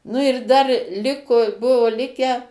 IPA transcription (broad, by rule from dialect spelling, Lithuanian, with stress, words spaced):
nʊ ɪr dɐr ˈlʲɪkʊ ˈbʊʋʊ ˈlʲɪkʲæː